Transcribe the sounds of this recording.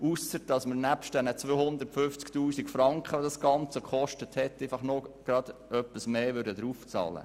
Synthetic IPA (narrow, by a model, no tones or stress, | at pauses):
usəɾd̥ɑsməɾnæpʃt̚d̥ɛnət͡sʋoːhʊnd̪əɾtfʏft͡sktuːsikfɾɑŋkχəʋodɑsɡ̥ɑnt͡səkχɔʃtəthɛt̪ːɛɪfɑχnoɡ̥ɾɑd̪̥œpːəsmeːʋʏɾdəd̪ɾuːft͡sɑ̰ːlə̰